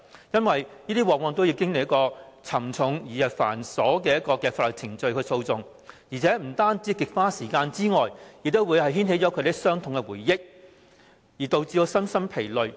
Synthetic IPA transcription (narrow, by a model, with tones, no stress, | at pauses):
jɐ˥nwɐ˨jniː˥t̪iː˥wɔː˨k̚wɔː˧ŋt̪o˥wji˧wkɪ˥ŋlɪ˨k̚jɐ˥kɔː˧t͡sʰɐ˨˩mt͡sʰʊ˨˥ŋjiː˨˩jɐ˨˩pfa̰ː˨˩nsɔː˨˥kɛː˧jɐ˥t̚kɔː˧kɛː˧faː˧l̚t͡sʰɪ˨˩ŋt͡ʃɵ˧ɥkʰjso˧wt͡sʊ˨ŋ | jiː˨˩t͡sʰɛː˨˥m̩˨˩t̪aː˥nt͡siː˨˥kɪ˨k̚faː˥siː˨˩kaː˧nt͡siː˥ŋɔː˨jjk̚t̪o˥wu˨˧jhɐ˨jɦiː˥nhe˨˥jt͡sɔ˨˧˥kʰɾe˨jsœː˥ŋt̪ʰʊ˨ŋkɛ˧wuː˨˩jːɪ˥k̚ | jiː˨˩t̪o˨˧wt͡si˧o˧sɐ˥msɐ˥mpʰe˨˩jlɵ˨ɥ